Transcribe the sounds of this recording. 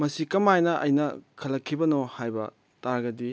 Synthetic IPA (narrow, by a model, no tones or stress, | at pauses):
mɐsikɐmajnɐʔɐ̰jnɐkʰɐlɐkʰːibɐnohajbɐ̰ | taɾɡɐdi